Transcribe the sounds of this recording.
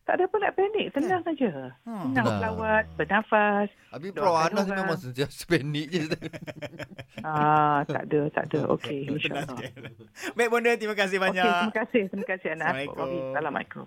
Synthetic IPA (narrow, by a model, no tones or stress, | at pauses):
t̪a̰ʔdəpənlaʔpɛnik̚t̪ənãŋad͡ʒətənãŋpəlawat̪̚bənafas | apipdɾaanamemãŋsənt̪iasə̥pɛnik̚d͡ʒəsd̪ə | at̪a̰ʔdət̪a̰ʔdəʔo̰kʰeinʃa̰ʔʔlɔ | bɛk̚bəndət̪imakas̬ɪhbaɲatk̪imakasɪht̪imakasɪhanaʔɔ̰ʔaɡiədalama̰iko̰